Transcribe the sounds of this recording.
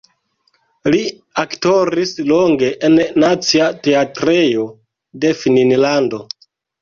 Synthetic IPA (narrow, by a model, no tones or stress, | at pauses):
li | aktoɾisloŋɡe̞ʔennat͡siateatɾe̞jo̞ | de̞fininlando̞